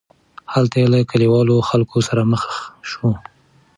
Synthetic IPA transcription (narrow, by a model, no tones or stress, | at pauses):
halt̪ajelakaliwɑloxalkʰosaɾaməxʃu